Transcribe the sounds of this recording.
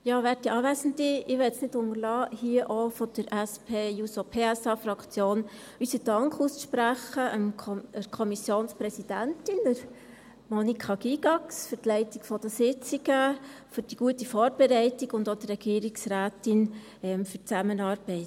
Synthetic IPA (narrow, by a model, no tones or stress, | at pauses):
jɑːʋæːɾtiʔɑːʋæsən̩diɪʋɛsnɪdʊŋəlɑːhiəʔofɔd̪̥əɾæspʰeːjusopʰeːɛsɑfɾɑkt͡sjoːn | ysədɑŋkχusʃpɾæχəʔəməɾkʰɔmisjoːnspɾɛsid̥æntɪnəɾ | mɔnikʰɑɡ̥iɡ̥ɑksfʏɾtlɛɪtikfɔd̥əsɪt͡siɡəfʏɾd̥iɡ̥uətifɔːɾbɛɾɛɪtiɡʊndod̥̪ərɛɡ̥iːɾiksɾæːtɪn | ɛmfʏɾt͡sæmənɑːɾb̥ɛɪt